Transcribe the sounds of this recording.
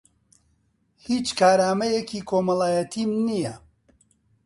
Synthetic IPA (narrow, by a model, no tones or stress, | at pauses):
hiːt͡ʃkʰaːɾaːmɐjekʰiːkʰoːmɐlˠaːjɐt̪ʰimnijɐ